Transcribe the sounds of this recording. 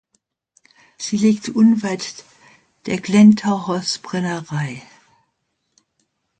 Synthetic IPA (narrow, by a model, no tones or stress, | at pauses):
z̥iːliːktʰʔʊnvaɪt | d̥eːɐɡ̥lɛntʰaʊhɐsb̥ʁ̥ɛnɐʁaɪ